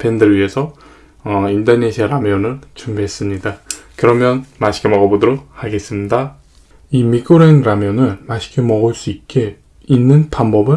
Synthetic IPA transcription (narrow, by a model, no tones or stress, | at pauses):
pʰe̞ndɯɭɥiɦe̞sʰʌ | ʌindʌneɕʰiaɾamjʌnɯɭt͡ɕumbiɦes͈ɯmɲidakɯɾʌmjʌnmaɕʰi̥kʰemʌɡʌbodɯɾok̚haɡe̞s͈ɯmɲida | imik͈ʰɯɾenɾamjʌnɯɭmaɕʰi̥kʰemʌɡɯɭs͈uit̚k͈e | inːɯnpanbʌbɯ